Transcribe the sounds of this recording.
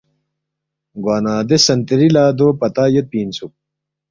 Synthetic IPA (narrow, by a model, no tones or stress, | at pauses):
ɡwaːnaːd̪esɐnt̪iɾilaːd̪oːpɐt̪aːjet̪̚piːnsuk̚